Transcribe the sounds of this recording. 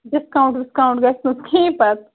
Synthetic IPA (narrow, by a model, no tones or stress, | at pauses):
ɖɪskaʊ̃ɳʈɖɪskaũɳʈɡɐst̪ũsk̪ʰĩːpɐt̪